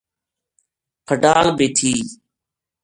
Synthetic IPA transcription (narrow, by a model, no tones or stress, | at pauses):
pʰəɖaːlbeːt̪ʰiː